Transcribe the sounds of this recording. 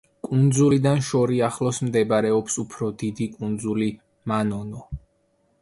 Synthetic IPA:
kʼund̪zulid̪anʃɔɾiaχlˠɔsmd̪ɛbaɾɛɔpsupʰɾɔd̪id̪ikʼund̪zuli | manɔnɔ

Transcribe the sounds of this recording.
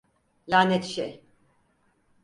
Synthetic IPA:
lʲaːnɛt̪ʃej

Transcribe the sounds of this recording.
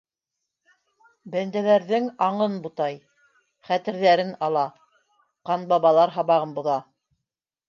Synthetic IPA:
bænd̪æðæɾðɘŋɑɴɤnbut̪ɑj | χæt̪ɘ̆ɾðæɾɘnɑlˠɑ | qɑnbɑβɑlˠɑɾɦɑβɑʁɤnbŏðɑ

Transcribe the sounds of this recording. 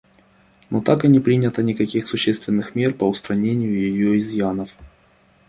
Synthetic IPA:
not̪akɨnʲipɾʲinʲət̪ənʲɪkɐkʲixsʊɕːest̪vʲɪnːɨxmʲe̞rpəʊst̪ɾɐnʲenʲɪjʊjɪjoɪzjanəf

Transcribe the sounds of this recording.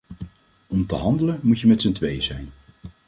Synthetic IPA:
ɔmtəɦɑndələnmutjəmɛtsəntʋejzɛjn

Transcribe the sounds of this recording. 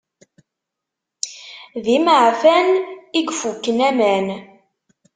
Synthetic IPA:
ðiməʕfæniɡfukːənæmæn

